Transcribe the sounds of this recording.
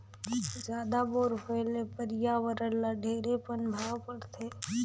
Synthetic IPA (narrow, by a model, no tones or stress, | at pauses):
zjaːd̪aboːɾpəlepəɾjaʋəɾəlːaɖʱeːɾepənbʱaːpəɾt̪ʰeː